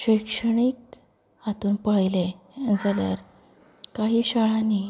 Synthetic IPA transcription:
ɕəjkʂəɳiːk̚ | at̪uːnpəɭjle | and͡zalja̰ɾ | kaɦiːɕəɭani

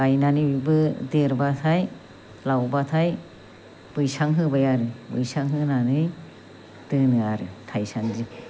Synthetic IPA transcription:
ajnanɯibɯdeɾbatʰaj | lawbatʰaj | b̥ɯjsaŋɦɯbajaɾɯbɯ̰jsaŋɦɯnanɯj | d̥ɯnɯaɾɯtʰajsaŋzi

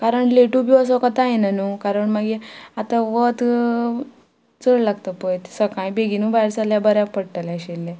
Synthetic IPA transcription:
kaɾəɳleʈubiəs̬ɔkat̪ajenanukaɾəɳmaɡiat̪aʋət̪ | t͡səɭlaɡt̪əpəjt̪səkãjbeɡinũbajɾsaljabəɾjapəɽʈalaɕelːe

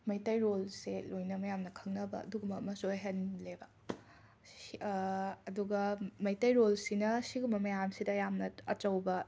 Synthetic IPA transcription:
mɐjtɐjɾolselojnɐmɐjamnɐkʰɐŋnɐbɐ̰ːduɡumɐmɐsojɦenlebɐ | duɡɐmɐjtɐjɾolsinɐsiɡumɐmɐjamsidɐjamnɐɐt͡ʃɐwbɐ

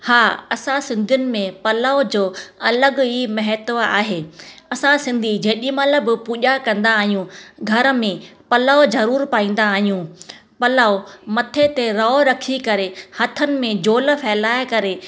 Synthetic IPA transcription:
haːɐsãsɪ̃nd̪ʱijʊnɪ̆mẽpɐlaːod͡ʑoːɐləɡɦiːmɐɦɛt̪ʋa̰ːɦeːɐsãsɪ̃nd̪ʱid͡ʑɐːɗimɐləbpuːʄakɐ̃nd̪aːɦijũɡʱɐɾəmẽpɐlaːozɐɾuːɾpaːĩːn̆d̪aːɦijũ | pɐlaːomɐt̪ʰet̪eɾaːoɾɐkʰikɐɾehɐt̪ʰənɪ̆mẽd͡ʑoːl̆fɛːlaːɪkɐɾe

